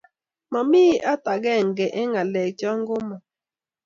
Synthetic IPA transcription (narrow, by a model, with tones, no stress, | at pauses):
mɔ˨miː˦ʔa˦ta˨ɡɛ˦˨ŋ˨ɡɛ˨ʔɪ˦ŋa˨lɛ˨k̚t͡ʃɔ˦ŋ˦ɡʊ˦mɔ˨